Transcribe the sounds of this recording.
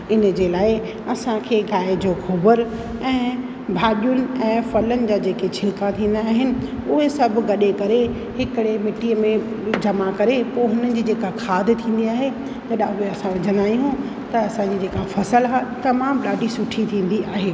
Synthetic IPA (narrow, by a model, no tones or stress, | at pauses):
ɪnəd͡ʑeːlaːɪ | ɐsãkʰeːɡaːɪd͡ʑoːxoːbəɾɛ̃ː | bʱaːɗjʊnɪ̆ɛ̃ːfɐlənɪ̆d͡ʑaːd͡ʑeːket͡ɕʰɪlkat̪ʰĩːn̆d̪aːɦɪnɪ̆ | ʊɦesɐbʱɡɐɗekɐɾe | hɪkɪɽemɪʈiəmẽ | d͡ʑɐmakɐɾepoːɦʊnənɪ̆d͡ʑiːd͡ʑeːkakʰaːd̪ʱt̪ʰĩːn̆d̪iaːɦe | d͡ʑɐɗãʊɦeɐsãʋɐɾd͡ʑɐnaːijũ | t̪ɐɐsãɲd͡ʑid͡ʑeːkafɐsəlɦat̪ɐmaːmɗaːɖʱisʊʈʰit̪ʰĩːn̆d̪iaːɦeː